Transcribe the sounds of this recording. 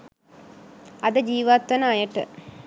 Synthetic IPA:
ɐd̪əd͡ʒiːʋat̪ːʋɐnəajəʈə̰

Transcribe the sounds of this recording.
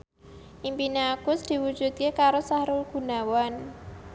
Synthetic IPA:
ʔimpinaɡ̥ʊsd̪̥i̤wud̥ʒ̥ṳd̪̚kekaɾosahɾʊlɡ̥ṳnawan

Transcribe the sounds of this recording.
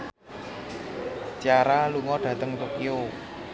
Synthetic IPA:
t͡ʃaɾaluŋɔɖ̥ä̤t̪əŋt̪okio

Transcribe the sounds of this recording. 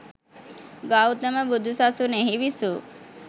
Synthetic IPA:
ɡawt̪əməbud̪ʱusasuneɦiʋisu

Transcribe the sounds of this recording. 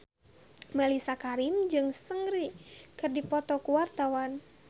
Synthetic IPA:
mɛlisakaɾimd͡ʒɨŋsəŋɾikɨrdipɔt̪ɔkuwart̪awan

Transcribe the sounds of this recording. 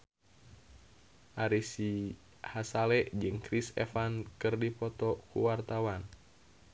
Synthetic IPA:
ʔaɾisi | hasalɛʔd͡ʒɨŋkɾisɛ̰fankɨrdipɔt̪ɔkṵwart̪awan

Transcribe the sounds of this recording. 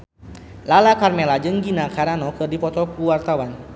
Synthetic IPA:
lalakarmɛlad͡ʒəŋɡinakʰaɾanɔkɨrdipɔt̪ɔkuwart̪awan

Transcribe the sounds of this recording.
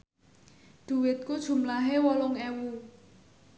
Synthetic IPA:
d̪̥ṳwɪt̪̚kud̥ʒ̥ṳmlaɦewɔlʊŋɛwu

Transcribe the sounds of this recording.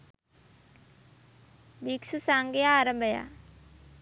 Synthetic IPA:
biksusaŋɡeaːɾəmbʱəja̰

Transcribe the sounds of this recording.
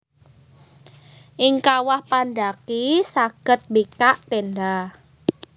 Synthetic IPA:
ʔɪŋkawahpandakisaɡ̥ə̤t̪̚bikaʔt̪enɖa

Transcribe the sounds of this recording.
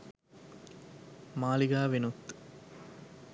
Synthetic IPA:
maːliɡaːʋenut̪ː

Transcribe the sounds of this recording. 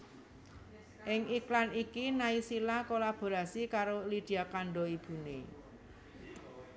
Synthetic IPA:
ʔɪŋiklanikinaisilakolab̥o̤ɾasikaɾolid̪̥i̤akaɳɖɔib̥ṳne

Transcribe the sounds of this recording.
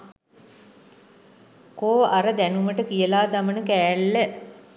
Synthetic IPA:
koːaɾəd̪ænuməʈəkijəlaːd̪amənəkæːlːə

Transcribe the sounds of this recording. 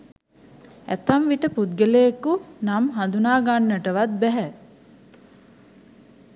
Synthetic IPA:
æ̰t̪amʋiʈəpud̪̚ɡəlejekunamɦand̪unaːɡanːəʈəʋat̪̚bɛɦɛ

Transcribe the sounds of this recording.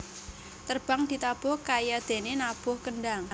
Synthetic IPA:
t̪ərb̥a̤ŋd̪̥i̤t̪ab̥ʊhkajad̪̥e̤nenab̥ʊ̤hkənɖaŋ

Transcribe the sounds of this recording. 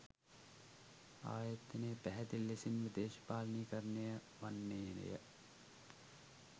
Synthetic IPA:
a̰ːjət̪ːɐneːpæɦɛt̪ilːesinʋid̪eːʃɐ̥paːlɐniːkəɾnejə | ʋanːeːnḛjə̰

